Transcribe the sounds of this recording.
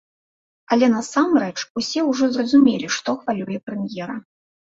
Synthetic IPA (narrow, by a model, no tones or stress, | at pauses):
alʲɛnɐsamrɛt͡ʂusʲɛwʐɔzrɐzumʲelʲiʂt̪ɔxvalʲujɛpɾɛmʲjɛɾɐ